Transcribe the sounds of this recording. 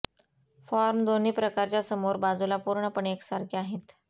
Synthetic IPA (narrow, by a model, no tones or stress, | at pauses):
fɔɾmd̪oniːpɾəkaɾt͡ɕjasəmoɾbad͡zulapuɾɳəpəɳeksaɾkʰeaɦet̪